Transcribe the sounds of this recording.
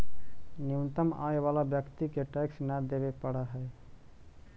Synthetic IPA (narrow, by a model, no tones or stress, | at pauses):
nint̪əma̰eʋalabjəkt̪ikeʈɛksnəd̪ebepəɽaɦɛj